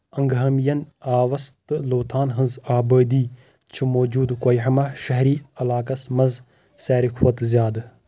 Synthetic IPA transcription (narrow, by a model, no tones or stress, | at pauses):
ɐŋɡɦɐmjɐnaːʋɐst̪ɨloːt̪ʰaːnɦɐnzaːbəːd̪iː | t͡ʃʰumoːd͡ʒuːd̪kojɦɐmɐʃɐɦɾiːɐlaːkɐsmɐnz | sɛːɾikʰwɐt̪zjaːd̪